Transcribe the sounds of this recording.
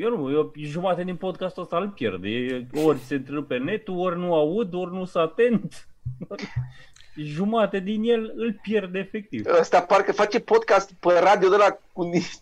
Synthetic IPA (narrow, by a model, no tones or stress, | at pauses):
jenujoʒumat̪ed̪inpo̞d̪̚kast̪uəst̪aɨlpjḛrd̪eeo̞rʲse̞ɨnt̪ɾɨpene̞t̪uorʲnuaud̪o̞rʲnusat̪e̞nt̪ | ʒumat̪ed̪inje̞lɨlpje̞rd̪efek̚t̪ivəst̪aparkəfat͡ʃepod̪̚kast̪pəɾad̪ijod̪əlakuniʃ